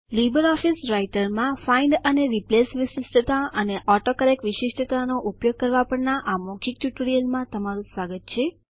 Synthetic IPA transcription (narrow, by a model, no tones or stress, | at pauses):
libəɾɔfisɾaiʈəɾmãfaiɳɖəneɾiplesʋiʃɪsʈʰət̪aʔəneʔɔʈokəɾekʋɪʃiʂʈʰət̪anoʔupjoɡ̚kəɾʋapəɳnaʔamokʰik̚ʈjuʈɾijəlmãt̪əmaɾũsʋaɡət̪t͡ʃʰe